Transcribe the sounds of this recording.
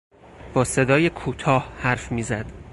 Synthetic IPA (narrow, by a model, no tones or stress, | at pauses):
b̥ɒːse̞d̪ɒːjekʰuːt̪ʰɒːhhæɾfmiːzæd̪̥